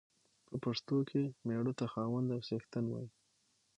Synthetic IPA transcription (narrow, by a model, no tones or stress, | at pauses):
pʰəpaʂt̪okʰemeɽot̪axɑwənd̪awsext̪ənwɑ̰ji